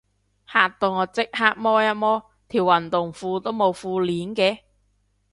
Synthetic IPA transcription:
haː˨t̚t̪o˧ŋɔː˨˧t͡sɪ˥k̚haː˥k̚mɔː˥jɐ˥t̚mɔː˥ | t̪ʰiː˨˩wɐ˨˩nt̪ʊ˨˩ŋfuː˧t̪o˥wmo˨˧wfuː˧liː˨˥nkɛː˧

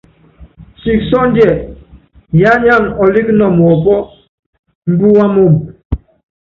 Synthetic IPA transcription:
si˨ksɔ˦n˦dɛ˨ | ja˦ɲa˦˨ŋɔ˨li˦knɔ˨mɔ˨bɔ˦ | m̩˦bu˦wa˦mo˨m

